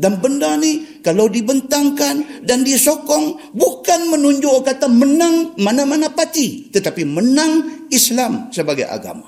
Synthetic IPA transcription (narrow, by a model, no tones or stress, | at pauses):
danbəndanikalawdibənt̪aŋkandandisokɔŋbukanmənuɲd͡ʒʊʔkat̪amənaŋmanamanapat̪it̪ət̪apimənaŋislamsəbaɡa̰jʔa̰ɡa̰ma̰